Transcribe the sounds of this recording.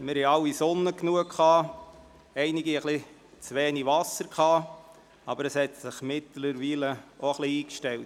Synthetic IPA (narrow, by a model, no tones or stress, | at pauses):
mɪɾhɛɑwisonːəknuəkχɑː | ɛɪnɪɡiəχli | t͡sʋeːniʋɑsəɾkχɑː | ɑbəɾəshɛtsɪχmɪtl̩əɾʋiːləoχliiːkʃtɛwt